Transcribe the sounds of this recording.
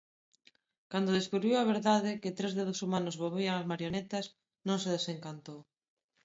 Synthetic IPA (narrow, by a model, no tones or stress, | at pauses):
kand̪oðeskuβɾiwaβ̞eɾðaðɪkɪt̪ɾezðeðosumanʊzβoβiaŋɐzmaɾjonet̪ɐs | nõŋseðeseŋkant̪ow